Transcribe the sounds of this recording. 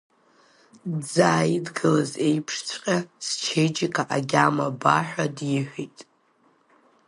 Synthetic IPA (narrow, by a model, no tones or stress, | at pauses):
d͡zaːjidɡɨlaze̞jpʰʂt͡sʷʰqʲʼast͡ʃʰejd͡ʒikʰʼaʔaɡʲamabaħʷᶣadjɪħʷᶣejtʼ